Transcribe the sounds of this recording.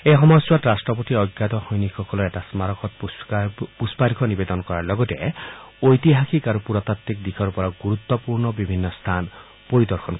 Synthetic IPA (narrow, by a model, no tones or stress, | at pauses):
eɦɔmɔjɔswatɾasʈɾɔpɔt̪iɔjɡːat̪ɔhojnixʰɔkɔlɔeʈasmaɾɔkɔt̪p | puspaɾikʰɔnibed̪ɔnɔkɔɾaɾlɔɡɔt̪eojt̪iɦakʰikaɾupuɾɔt̪at̪ːik̚d̪ikʰɔɾupɔɾɔɡuɾut̪ːɔpuɾnɔbibʱinːɔst̪ʰan | poɾid̪ɔɾkʰɔnk